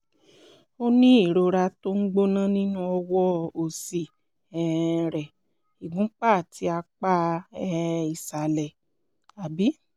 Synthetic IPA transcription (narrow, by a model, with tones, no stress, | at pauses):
o˦nĩ˦i˦˨ɾo˨˧ɾa˧to˦ŋ̩˦ɡ͡bo˦nã˦nĩ˦nũ˦ɔ˧wɔ˦o˨si˨ | ɛ˨ɾɛ˨ | i˨ɡũ˨˦k͡pa˦˨ti˧˦a˧k͡pa˦ | i˨sa˨lɛ˨ | a˨bi˨˦